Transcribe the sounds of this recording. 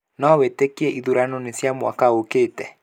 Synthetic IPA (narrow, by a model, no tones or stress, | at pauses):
naɔwetekiɛʔiðuɾanɔnesjamwa̰kaokeːtɛ